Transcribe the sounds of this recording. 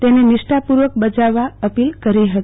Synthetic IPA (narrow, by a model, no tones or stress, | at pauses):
t̪enenɪʃʈapuɾʋək̚bəd͡ʒaʋːaəpilkəɾiɦət̪i̥